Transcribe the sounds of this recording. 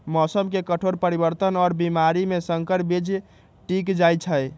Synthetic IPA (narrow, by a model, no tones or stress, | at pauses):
mɔsəmkekəʈʰoɾpəɾibəɾt̪ənɔːɾbimaɾimesəŋkəɾbid͡ʒ | ʈikd͡ʒajt͡ʃʰəj